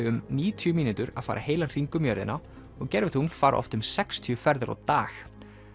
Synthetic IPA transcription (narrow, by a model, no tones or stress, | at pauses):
ʏmniːt̪ʰjʏmiːnʏt̪ʏɾa̰faːɾʔa̰heːjlḁr̥iŋkʏmjœɾðɪ̰nːa | ɔɣcɛɾvɪtunfaːɾa̰ʔɔ̰ft̪ʏmsɛkst̪ʰiʏfɛɾðɪɾa̰wt̪aːx